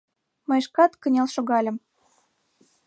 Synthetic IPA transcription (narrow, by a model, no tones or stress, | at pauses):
mɤ̆jʃkɑt̪kə̆nʲelʃoɣɑlʲə̆m